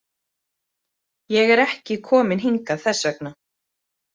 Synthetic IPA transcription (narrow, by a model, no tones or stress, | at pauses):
jɛɣɛɾɛhcɪkʰɔːmɪnɦiŋkaðθɛsːɛkna